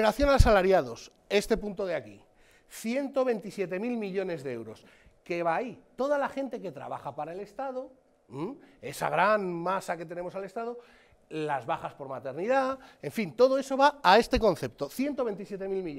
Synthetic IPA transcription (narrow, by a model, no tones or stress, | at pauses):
eɾaθjo̞nalsalaɾjaðo̞s | e̞st̪e̞punt̪o̞ð̞eaki | θje̞nt̪o̞β̞e̞nt̪isje̞t̪e̞milmiʎo̞ne̞zðeewɾo̞s | ke̞βait̪o̞ð̞alaxe̞nt̪e̞ke̞t̪ɾa̰βa̰xapaɾae̞le̞st̪aðo̞ | e̞sa̰ɣ̞ɾanmasaket̪e̞ne̞mosale̞st̪aðo̞ | lazβaxaspo̞ɾmat̪e̞ɾniðaeɱfint̪o̞ðo̞e̞so̞βaae̞st̪e̞ko̞n̟θe̞p̚t̪o̞θje̞nt̪o̞βe̞nt̪isje̞t̪e̞milmiʎ